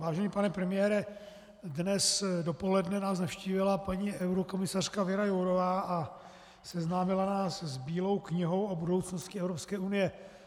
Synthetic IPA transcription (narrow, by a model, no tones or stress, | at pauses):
vaːʒɛɲiːpanɛpɾɛmɪjɛːɾɛ | dnɛsdo̞po̞lɛdnɛnaːs̬nafʃciːvɪlapaɲiʔɛwɾoko̞mɪsar̝̥kavɛɾajowɾovaːʔa | sɛznaːmɪlanaːszbiːlo̞wkɲɪɦo̞wobudo̞wt͡snostcɪɛvɾopskɛːʔunɪjɛ